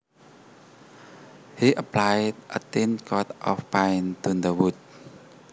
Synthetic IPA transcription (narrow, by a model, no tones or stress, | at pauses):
hiʔəpʰlajdʔə̰tĩnkʰɔtʔɔ̰fpãɪnt̪und̪əwut̚